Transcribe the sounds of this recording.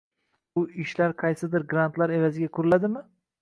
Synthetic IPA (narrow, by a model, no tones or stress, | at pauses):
bʊiʃlæɾqʰɑjsɨd̪ɪɾɡɾant̪lˠɑɾe̞væzɪɡʲakʰʊɾulˠad̪ɪmɪ